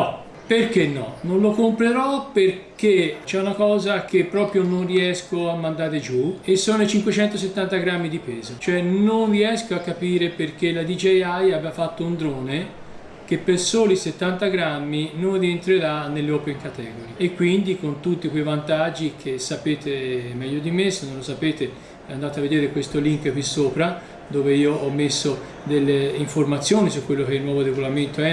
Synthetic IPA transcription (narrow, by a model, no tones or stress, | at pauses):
nɔ | perkenːɔnonlokompɾeɾɔperket͡ʃɛunakɔːzak̟epːɾɔːpɾjononriɛskoamːand̪aːɾed͡ʒuesːoːnoet͡ʃiŋkwet͡ʃɛnt̪os̬et̪ːant̪aɡɾamːid̪ipɛːzot͡ʃoɛnonrːiɛskoakːapiːɾeperk̟elːad̪id͡ʒejajabeafat̪ːound̪ɾoːne | k̟epːersoːliset̪ːant̪aɡɾamːinonrient̪ɾeɾanːelːeɔːpeŋkat̪ɛːɡoɾiekːwind̪ikont̪ut̪ːikwejvant̪ad͡ʒːik̟ʰesːapeːt̪ʰemɛʎːod̪imesonːõnlosapeːt̪e | ɛand̪aːt̪eavːed̪eːɾekwest̪oliŋkpisoːpɾa | d̪oːveiːoɔmːesːo | d̪elːeiɱformat̪sːjoːnisukːwelːok̟eilnwɔːvoɾeɡolament̪oɛ